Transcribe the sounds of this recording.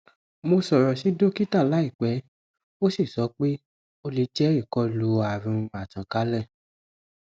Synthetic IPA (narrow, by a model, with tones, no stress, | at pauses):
mo˧sɔ˨ɾɔ˨si˨˦do˦ki˦ta˦˨la˨˦i˦˨k͡pɛ˨˦ | o˦si˦˨sɔ˨˦k͡pe˦ | o˧le˨˧˦d͡ʒɛ˦ɾi˦˨kɔ˧˦lu˨˧a˨ɾũ˧a˨tã˨ka˨˦lɛ˦˨